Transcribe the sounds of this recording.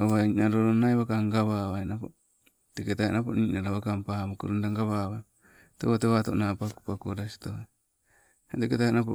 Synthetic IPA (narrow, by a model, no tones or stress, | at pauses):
aβainaɾoɾonajβakaŋɡaβawajnapo̰ | t̪eketajenapo̰ninaɾaβakampamokṵɾundaŋɡaβawaj | teβoteβat̪o̰napaku̥pakuɾasi̥t̪oa | eteketajenapo